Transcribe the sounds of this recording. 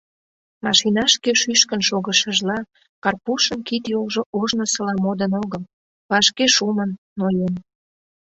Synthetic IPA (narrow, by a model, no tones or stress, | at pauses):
mɑʃinɑʃkeʃyʃkənʃoɣəʃəʒlɑ | kɑrpuʃənkit̪jolʒoʔoʒnosəlɑmod̪ənoɣəl | βɑʃkeʃumənːojen